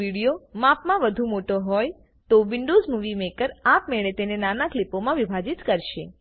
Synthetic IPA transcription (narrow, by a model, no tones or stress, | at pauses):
iɽijomapmãʋəd̪ʱũmoʈoɦɔj | t̪oʋɪɳɖozmuʋimekəɾapmeɭet̪enenanaklipomãʋibʱad͡ʒit̪kəɾʃe